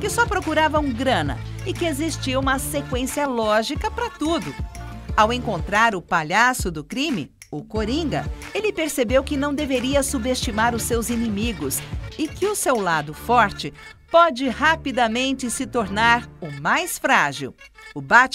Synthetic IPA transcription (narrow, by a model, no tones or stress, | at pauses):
kɪsɔpɾokuɾavɐũɡɾɐ̃nɐ̰ɪkɪezist͡ʃiɐũmɐsekwẽsiɐlɔʒikɐpɾɐt̪ud̪ʊawẽŋkõnt̪ɾaɾʊpaʎasʊd̪ʊkɾĩmɪ̰ | ʊkoɾĩŋɡɐ̰elɪpeɾsebewkɪnɐ̃w̃d̪eveɾiɐsubest͡ʃimaɾʊsewzinimiɡʊsɪkɪʊsewlad̪ʊfɔɾt͡ʃɪpɔd͡ʒɪhapid̪ɐmẽnt͡ʃɪsɪt̪oɾnaɾʊmajsfɾaʒḭwʊbat͡ʃ